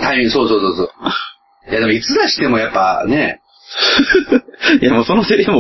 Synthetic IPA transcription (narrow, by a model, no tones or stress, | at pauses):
t̪aimʲĩso̞ːsoːso̞ːsoː | jad̪emo̞it͡sɨd̪aɕi̥t̪e̞mo̞japːane̞ | jamoːso̞noseɾemo